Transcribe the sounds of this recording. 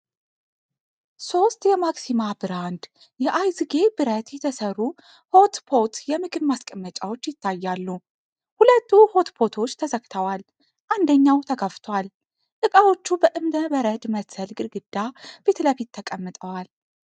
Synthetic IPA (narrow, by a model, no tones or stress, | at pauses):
so̞st̪jɛmaksimabɨɾand̪ | jɛʔajzɨɡe̞bɨɾət̪jɛt̪ʰəsərːu | ho̞t̪pʰo̞t̪jɛmɨkʰɨnmaskʼəmːət͡ʃʼawo̞t͡ʃːjɪt̪ʰːajːalːu | hulət̪ːuho̞t̪pʰo̞t̪ʰo̞t͡ʃːt̪ʰəzəɡt̪ʰəwal | ʔand̪əɲːawt̪ʰəɡaft̪ʰwal | ʔ̪ɨkʼawo̞t͡ʃːubəʔɨmd̪əbəɾəd̪məsəlɡʼɨɾɡɨd̪̥ːab̥et̪ʰləfit̪ʰːəkʼəmːɨt̪ʼəwal